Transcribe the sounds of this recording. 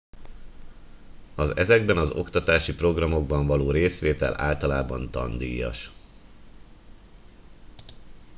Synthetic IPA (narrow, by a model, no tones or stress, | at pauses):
ɒzɛzɛɡ̚bɛnɒzo̞̰kt̪ɒt̪aːʃipro̞ɡrɒmo̞ɡbɒɱvɒloːɾeːsʋeːt̪ɛ̰la̰ːlt̪ɒlaːbɒ̰nt̪ɒ̰nd̪ḭːjɒ̰ʃ